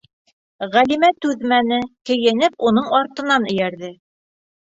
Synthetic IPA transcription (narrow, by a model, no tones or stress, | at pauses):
ʁælimæt̪ʉðmænɘkɘ̆jɘ̆nɘpunɤɴɑɾt̪ɤ̆nɑnɵ̆jæɾðɘ